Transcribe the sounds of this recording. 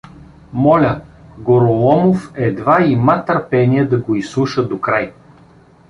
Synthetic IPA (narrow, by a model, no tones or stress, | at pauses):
mɔlʲəɡoɾolˠɔmofɛd̪vaimat̪əɾpɛniɛd̪ɐɡoislˠuʃəd̪okɾaj